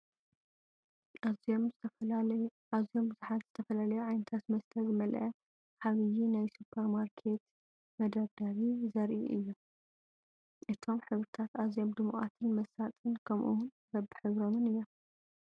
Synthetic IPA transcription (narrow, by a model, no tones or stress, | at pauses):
m | azijo̞mbɨzuħat̪z̥ɨt̪ʰɐfɐlalɐjuʕajnɐt̪ʰat̪mɐst̪ʰɐzɨmɐlʔɐ | ħaβijinajsupʰɐɾmaɾkʰe̞t̪ | mɐd̪ɐɾd̪aɾizɐɾʔiʔɨjːom | ʔɨt̪ʰo̞mħɨβɾɨt̪ʰat̪azjo̞md̪ɨmuʔa̰t̪ʰɨnmɐsat̪ʼɨnkʰɐmʔṵwʊn | bɐbɨħɨβɾo̞mɨnɨjːom